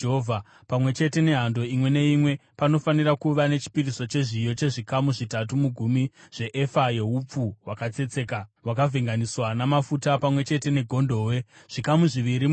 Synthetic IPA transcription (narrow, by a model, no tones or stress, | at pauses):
ɦovʱa | pamwe̞t͡ʃe̞te̞ne̞ɦando̞imwe̞ne̞imwe̞pano̞fanirakuʋane̞t͡ʃi̥piriso̞t͡ʃe̞ʐijo̞t͡ʃe̞ʐikamuʐitat̬umuɡʱumiʐ̥e̞ʔefajeup͡fuwakat͡se̞t͡se̞ːkawakavʱiŋɡaniswanamafutapamwe̞t͡ʃe̞te̞ne̞ɡʱo̞ndʱo̞ːwe̞ʐ̥ikamuʐiʋiɾi